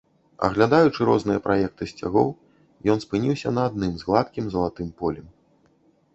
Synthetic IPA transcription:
ɐ̰ɣlʲad̪ajut͡ʂɨɾɔznɨjɐpɾʔajɛk̚t̪ɨsʲt͡sʲa̰ɣɔ̰w | jɔnspɨnʲiwsʲɐnɐːd̪̚nɨmzɣlˠat̪kʲimzɐlˠat̪ɨmpɔlʲɛm

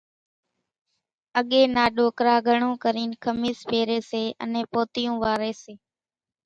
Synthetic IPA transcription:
əɠeːnaːɗoːkɾaːɡʱəɳõːkəɾiːnkʰəmiːspeːɾeːseːʔə̰nẽːpoːt̪ɪjũːʋaːɾeːseː

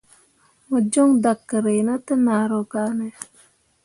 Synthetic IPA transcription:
məd͡ʒoŋd̪akːəɾejnat̪enaːɾokaːne

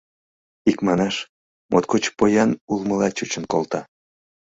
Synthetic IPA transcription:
ikmɑnɑʃ | mʔot̪̚kot͡ɕpojɑnulməlɑt͡ɕut͡ɕənkolt̪ɑ

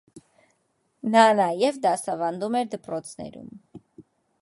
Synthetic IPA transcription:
nɑnɑjɛvd̪ɑsɑvɑnd̪umɛɾd̪əpɾɔt͡sʰnɛ̰ɾṵm

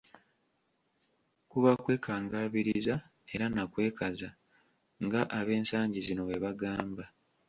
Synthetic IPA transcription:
kuβakwe̞ːkʰaːŋɡaːβiɾiza | e̞ɾanakwe̞ːkaza | ŋɡaʔaβe̞ːnsaːɲɟizino̞βwe̞βaɡaːmba

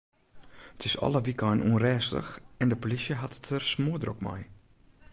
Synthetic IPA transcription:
ətʰɪsɔ̰ləʋikajnʔunrɛːslə̰xɛndəpolisjəɦattʰərsmuːədrɔkmɔ̰j

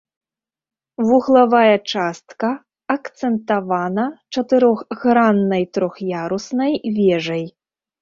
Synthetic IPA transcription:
vuɣlˠavajɐt͡ʂast̪kɐ | ɐkt̪sɛnt̪avanɐt͡ʂɐt̪ɨɾɔxɣɾanːɐjt̪ɾɔxjaɾusnɐjvʲɛʐɐj

